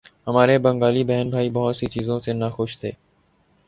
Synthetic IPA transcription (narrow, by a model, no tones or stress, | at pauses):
ɦəmaːɾeːbəŋɡaːliːbɛːnbʱaːiːbɔɦt̪siːt͡ʃiːzõːseːnaːxʊʃt̪ʰeː